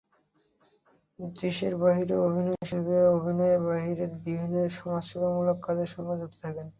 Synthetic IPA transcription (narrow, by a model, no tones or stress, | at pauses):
d̪ɾiʃeɾbaɦiɾeobʱinɔeʃibeaobʱinɔebaɦiɾeɾbibʱinːoeɾʃɔmad͡ʑʃɔkamulokːad̪eɾʃɔŋbad͡ʑɦot̪e̥t̪ʰaken